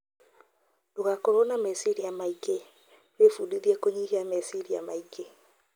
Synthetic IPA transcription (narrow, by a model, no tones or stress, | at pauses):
doɣakɔɾonamɛsiɾijamaike | wefudiðiɛkoɲihiamɛsiɾija̰maike